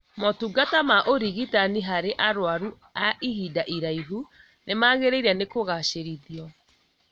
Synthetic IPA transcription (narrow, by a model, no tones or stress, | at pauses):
mɔtuɡatamaʔoɾiɣitaniɦaɾeʔaɾwaɾu | aiɦidaʔiɾaiɦu | nemaɣeɾeiɾanekoɣaʃeɾiðiɔ